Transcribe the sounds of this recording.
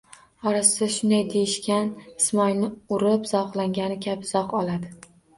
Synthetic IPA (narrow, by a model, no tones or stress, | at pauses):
ɒɾassaʃʊnd̪ajd̪ejɪʃkʲanɪsmɒjnɪʊɾɪpz̥ɒqlˠaŋɡʲanɪkʲʰabɪz̥ɒqɒlˠad̪ɪ